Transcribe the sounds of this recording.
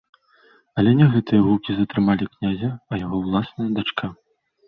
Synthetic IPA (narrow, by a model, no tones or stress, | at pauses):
ɐlʲɛnʲɛɣɛt̪ɨjɐɣukʲizɐt̪ɾɨmalʲiknʲazʲɐɐjaɣɔwlˠasnɐjɐd̪at͡ʂkʰa